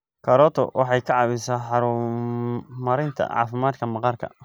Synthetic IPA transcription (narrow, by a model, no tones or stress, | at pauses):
kʰɐɾɔːt̪ʰɔ̰wʔɑħɑjkʰɑʕɑβɪsaħɑɾʊ | mɐɾɪjnt̪ʰɐ̰ʕɑ̰ːfɪmaːd̪kʰɐmɑqɑrkʰɐ̰